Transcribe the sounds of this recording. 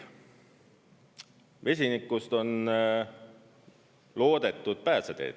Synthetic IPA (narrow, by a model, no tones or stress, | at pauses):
ve̞s̬ʲinikːˑust̪o̞n | lo̞ːd̪̥e̞t̪ːˑud̪̥̚pæːsed̪̥e̞̰ːd̪̥